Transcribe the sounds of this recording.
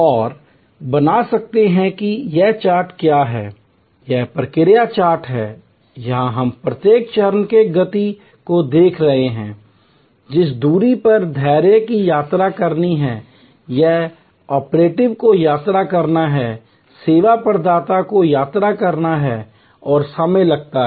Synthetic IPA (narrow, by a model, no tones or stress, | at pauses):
ɔːɾ | bɐnasɐk̚t̪eɦɛ̃kijɛt͡ʃaːɾʈkjaɦɛː | jɛpɾəkɪɾjat͡ʃaːɾʈɦɛː | jɐɦãɦɐmpɾɐt̪jeːk̚t͡ʃɐɾənkeɡɐt̪i | kod̪eːkʰɾɐɦeɦɛ̰̃ː | d͡ʒɪsd̪uːɾipɐɾd̪ʱɛːɾjəkijaːt̪ɾakɐɾniɦɛ̃ | jɛɦ | ɔːpɾeːʈɪʋkojaːt̪ɾakɐɾnaɦɛː | seːʋapɐɾd̪aːt̪akojaːt̪ɾakɐɾnaɦɛ | ɔːɾsəmelɐɡ̚t̪aɦ